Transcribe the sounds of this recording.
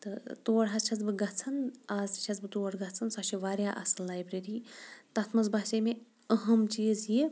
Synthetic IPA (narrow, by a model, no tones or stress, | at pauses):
t̪ɨt̪oːɽɦɐst͡ʃʲʰɐt͡sbɨɡɐt͡sʰɐnaːzt͡ʃʰɐzbɨt̪oːɽɡɐt͡sʰɐnsɐʃʰiʋaːɾʲjaːʔɐ̰sɨnlaːjbɾeɾit̪ɐt̪ʰmɐzbaːt͡ʃɐme | ɐɦɐmt͡ʃiːzji